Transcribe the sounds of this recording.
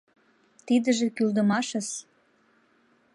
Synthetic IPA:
t̪id̪əʒĕkyld̪ə̆mɑʃə̆ʃ

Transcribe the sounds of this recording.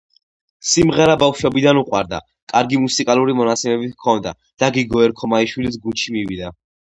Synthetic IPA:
simʁɛɾabafʃwɔbid̪anuqʼwa̰ɾd̪a̰ | kʼaɾɡimusikʼaluɾimɔnat̪sʰɛmɛbit̪kʰɔnd̪a̰ | d̪̥aɡiɡɔɛɾkʰɔmaiʃwilisɡunt͡ʃʰimiwid̪a

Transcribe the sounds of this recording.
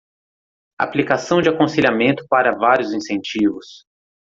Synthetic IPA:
a̰plikasɐ̃w̃d͡ʒɪakõseʎamẽnt̪ʊ̥paɾɐvaɾjʊzĩsẽnt͡ʃivʊs

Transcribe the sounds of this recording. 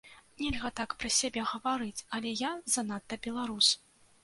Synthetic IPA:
nʲɛlʲɣɐt̪akpɾɐsʲabʲɛɣɐvaɾɨt͡sʲɐlʲɛjazɐnat̪ːɐbʲɛlˠaɾus

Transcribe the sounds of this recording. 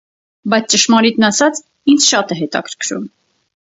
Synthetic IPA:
bɑjt͡sʰt͡ʃəʃmɑɾit̪nɑsɑt͡sʰ | ind͡zʃɑt̪ɛɦɛt̪ɑ̰kʰə̥ɾkʰɾṵm

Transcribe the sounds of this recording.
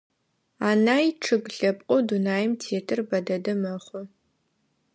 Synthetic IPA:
aːnaːjʈ͡ʂʰɨɡɬɐpʼqʷʼʊdunaːjɪmtʰeːtʰɨrbɐdɐdɐmɐχʷʊ

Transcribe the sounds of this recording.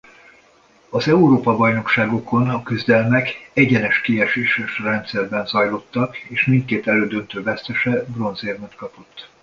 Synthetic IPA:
ɒzɛuɾoːpɒbɒjno̞kʃaːɡo̞ko̞nɒkyzd̪ɛlmɛkɛɟɛnɛʃkiɛʃeːʃɛʃrɛnt̪sɛrbɛnzɒjlo̞t̪ːɒkeːʃmint̪̚keːt̪ɛløːd̪ønt̪øːvɛst̪ɛʃɛbro̞nzeːrmɛt̪kɒpo̞t̪ː

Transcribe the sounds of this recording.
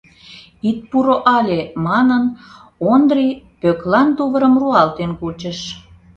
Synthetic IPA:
it̪̚puɾoʔɑlʲemɑnənond̪ripøklɑnt̪uβəɾəmruɑlt̪enkut͡ɕəʃ

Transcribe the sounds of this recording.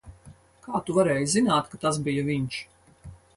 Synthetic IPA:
kaːt̪uvaɾɛːjzinaːt̪kat̪as̬bijaviɲʃ

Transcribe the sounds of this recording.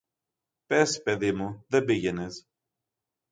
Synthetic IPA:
pe̞spe̞ðimuðe̞biʝe̞nes

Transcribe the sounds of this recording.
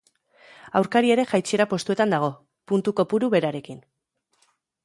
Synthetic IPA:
awɾkaɾie̞ɾe̞ʝajt͡sieɾapo̞st̪ue̞t̪and̪aɣ̞o̞ | punt̪uko̞puɾuβe̞ɾaɾe̞kin

